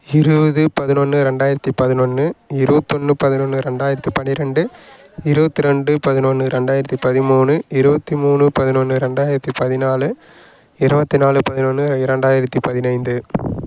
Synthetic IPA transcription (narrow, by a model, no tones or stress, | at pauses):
ɪɾɯbɐðɯpɐðɪnɔnːɯɾɛɳɖaːjɪɾɐt̪ːipɐðɪnɔnːɯɪɾɯbɐt̪ːɔnːɯpɐðɪnɔnːɯɾɛɳɖaːjɪɾɐt̪ːipɐnɪɾɛɳɖɯ | ɪɾɯbɐt̪ːiɾɛɳɖɯpɐðɪnɔnːɯɾɛɳɖaːjɪɾɐt̪ːipɐðɪmuːnɯɪɾɯbɐt̪ːimuːɳɯpɐðɪnɔnːɯɾɛɳɖaːjɪɾɐt̪ːipɐðɪnaːlɯ | ɪɾɯbɐt̪ːinaːlɯpɐðɪnɔnːɯɾɛɳɖaːjɪɾɐt̪ːipɐðɪnɐɪnd̪ɯ